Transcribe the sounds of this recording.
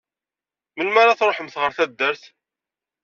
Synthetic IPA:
mənmaɾaθɾˤoħəmθʁəɾθæd̪ːəɾθ

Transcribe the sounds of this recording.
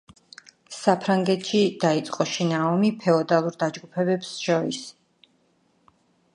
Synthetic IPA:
sapʰɾaŋɡɛt̪ʰʃid̪̥ait̪sʼqʼɔʃinaɔmipʰɛɔd̪alˠuɾd̪ad͡ʒɡupʰɛbɛpsʃɔɾis

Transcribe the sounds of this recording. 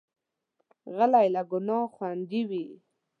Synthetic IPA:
ɣəlajlaɡʊnɑχwand̪iwi

